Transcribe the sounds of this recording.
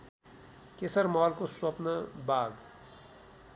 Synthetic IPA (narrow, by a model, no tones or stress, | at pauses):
keːsəɾmɔːlkoswɐpnəbaːɡ